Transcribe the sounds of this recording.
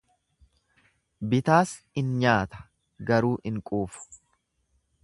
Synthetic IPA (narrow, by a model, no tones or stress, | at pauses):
bɪt̪aːs | ɪnɲaːt̪ɐ̥ | ɡɐɾuːʔɪŋkʼuːfʊ̥